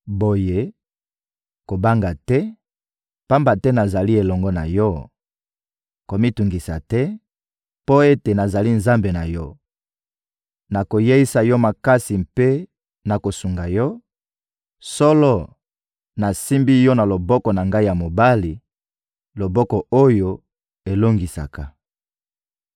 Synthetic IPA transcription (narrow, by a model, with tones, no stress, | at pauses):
bo˨je˦ | ko˨ba˦ŋɡa˨tɛ˦ | pa˦mba˨tɛ˦na˨za˨li˦e˨lɔ˨ŋɡɔ˦na̰˨jɔ˦ | ko˨mi˦tu˨ŋɡi˨sa̰˨tɛ˦ | po˦e˦te˨na˨za˨li˦nza˦mbe˨na˨jɔ˦ | na˨ko˨je˦i˦sa˨jɔ˦ma˨ka˦si˨mpe˦ | na˨ko˨su˨ŋɡa˨jɔ˦ | sɔ˦lɔ˦ | na˨si˦mbi˦jɔ˦na˨lo˨bɔ˦kɔ˨na˨ŋɡa˦i˦ja˨mo˨ba˦li˨ | lo˨bɔ˦kɔ˨o˦jo˨ | e˨lo˦ŋɡi˨sa̰˨ka˨